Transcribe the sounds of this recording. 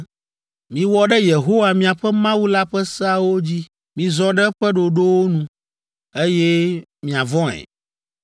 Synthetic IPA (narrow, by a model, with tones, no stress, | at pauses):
mĩ˨wɔ˦ɖɛ˦je˨ɦo˦wa˨mĩ˦a˨ɸɛ˦mã˦wu˦la˦ɸɛ˦sɛ˦a˦wo˦d͡ʑi˦ | mĩ˨zɔ̃˦ɖɛ˦ɸɛ˦ɖo˨ɖo˦wo˦nũ˨ | e˦jɛ˦mĩ˨a˨vɔ̃˦ɛ̰̃˨